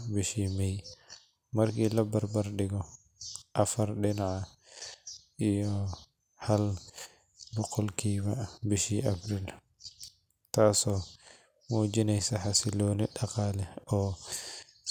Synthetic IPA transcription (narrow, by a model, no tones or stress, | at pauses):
bɪʃimɛj | mɐɾkiːlɐbɐrbɐɾɗɪɡɔ | ʔɐfɐɾɗɪnaʕa | ʔijɔ | hal | bɔqɔlkʰiːβɐbɪʃiʔabɾil | t̪aːsɔː | muːd͡ʒinɛjsɐħasɪlɔːniɗɐqaːlɛɔː